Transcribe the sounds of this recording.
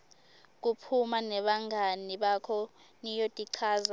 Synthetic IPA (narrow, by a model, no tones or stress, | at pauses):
k̬upʰumanɛɓaŋʱaniɓakʰɔ | nijotʼiǀʰaːza